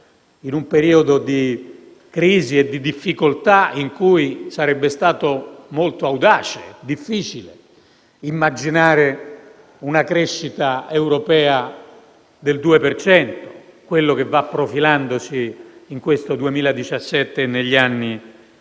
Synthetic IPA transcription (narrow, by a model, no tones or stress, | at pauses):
inumpeɾiːod̪od̪i | kɾiːzied̪ːid̪ifːikolt̪aiŋkuisaɾɛbːest̪aːt̪omolt̪oawd̪aːt͡ʃed̪ifːiːt͡ʃile | imːad͡ʒinaːɾe | unakɾeʃːit̪aewɾopɛːa | d̪eld̪uːepert͡ʃɛnt̪o̥kwelːok̟evːapːɾofiland̪osiːŋkwest̪od̪uemiːlad̪it͡ʃasːɛt̪ːeneʎːianːi